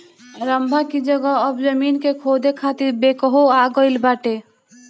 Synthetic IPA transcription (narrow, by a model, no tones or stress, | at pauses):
ɾəmbʱakid͡ʒəɡɔɔbzəmiːnkekʰoːd̪ʱekʰaːt̪iɾbeːkɔɦoaːɡɔɪlbaːʈe